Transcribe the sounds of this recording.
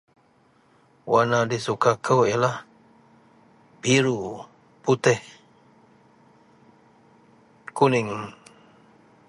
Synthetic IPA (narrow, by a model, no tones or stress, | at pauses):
wanadisukakʰəwjalah | piɾu | put̪ɛh | kunɪŋ